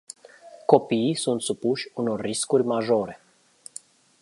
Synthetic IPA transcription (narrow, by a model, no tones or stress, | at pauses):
ko̞pisunt̪supuʃʲuno̞rːiskurʲmaʒo̞ɾe̞